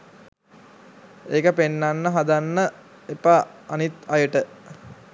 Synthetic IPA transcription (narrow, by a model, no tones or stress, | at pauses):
eːkəpenːanːəɦad̪anːə | epaːnit̪ɐjəʈə